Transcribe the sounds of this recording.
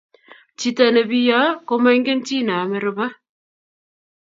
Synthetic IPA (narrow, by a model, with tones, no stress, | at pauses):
t͡ʃi˦ta˨ne˨bi˦ja˦ko˦mɛ˦ŋɡe˦n˦t͡ʃi˦˨na˨me˨˦ɾɨ˦ba˦